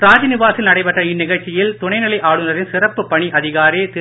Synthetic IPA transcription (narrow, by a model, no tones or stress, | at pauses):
ɾaːd͡ʒɐnɪʋaːsɪlnɐɽɐɪpɐʈrɐɪnːɪɣɐɭt͡ʃːɪjɪlt̪ʊɳɐɪnɪlɐɪʔaːɽɯnɐɾɪnsɪrɐpːɯpːɐɳiʔɐðɪɣaːɾeːt̪ɪ